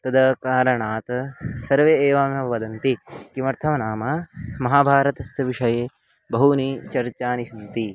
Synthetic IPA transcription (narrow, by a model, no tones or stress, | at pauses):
t̪ɐd̪ɐkaːɾɐɳaːt̪ɐsɐɾʋeeːʋaːmjɐʋɐd̪ɐnt̪ikimɐɾt̪ʰɐmɐnaːmɐmɐɦaːbʱaːɾɐt̪ɐsjɐʋiʂɐjeː | bɐɦunit͡ʃɐɾt͡ʃaːnisɐnt̪i